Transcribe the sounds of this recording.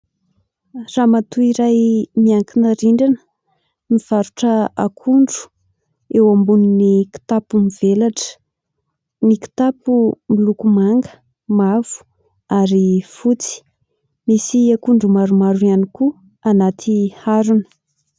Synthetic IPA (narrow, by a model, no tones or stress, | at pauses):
ramat̪uiɾajmiaŋkinəɾiɳɖ͡ʐanə̥ | miv̥aɾuʈ͡ʂəakʰuɳɖ͡ʐu̥ | ewambuniniki̥t̪apumivelaʈ͡ʂə̥ | niki̥t̪apumilukumaŋɡə̥ | mav̥u̥ | aɾifut͡si̥ | misiakuɳɖ͡ʐumaɾumaɾuaniku | anat̪ʰihaɾunə̥